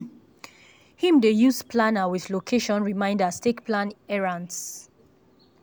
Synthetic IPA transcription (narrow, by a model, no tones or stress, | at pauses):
hĩmdejuspʰlanawiðlokʰeʃɔ̃nɹimãɪ̃ndastekplãnɛɹãns